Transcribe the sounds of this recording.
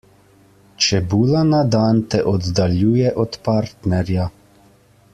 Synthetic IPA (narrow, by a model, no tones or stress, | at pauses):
t͡ʃɛbuːlanad̪ant̪ɛʔɔd̪d̪aljuːjɛʔɔt̪paːɾt̪nɛɾja